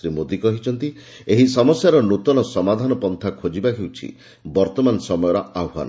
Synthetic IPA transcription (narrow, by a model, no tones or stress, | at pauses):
ɾimod̪ikɔɦit͡ʃʰɔnt̪i | eɦisɔmɔsjaɾɔnut̪ɔnɔsɔmad̪ʱanɔpɔnt̪ʰakʰod͡ʒibaɦʰewt͡ʃʰḭ | bɔɾt̪ɔmanɔsɔmɔjɔɾɔawɦa̰nɔ